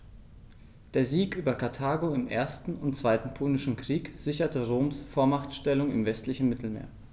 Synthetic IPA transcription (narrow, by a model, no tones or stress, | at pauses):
d̥eːɐziːkʔyːbɐkʰaɐtʰaːɡoɪmʔeːɐstn̩ʊntt͡sv̥aɪtn̩pʰoːlnɪʃn̩kʁ̥iːkz̥ɪçɐtəʁoːmsfoːɐmaχtʃtɛlʊŋɪ̰mvɛstlɪçn̩mɪtl̩mḛːɐ